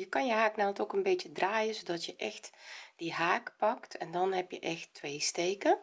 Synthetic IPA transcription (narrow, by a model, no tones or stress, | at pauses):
jəkɑnjəɦaːknaltokənbeːtjədraːjəzodɔtjəʔɛxtd̥iɦaːkpɑktʰɛndɔnɦɛpjə̰ʔɛxtːʋeːsteːkə